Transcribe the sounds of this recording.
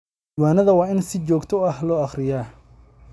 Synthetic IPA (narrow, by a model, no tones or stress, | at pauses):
d̪waːnɐðɐwɑːɪnsɪt͡ʃɔːɡt̪ʰɔɐhlɔːɑχrɪjaː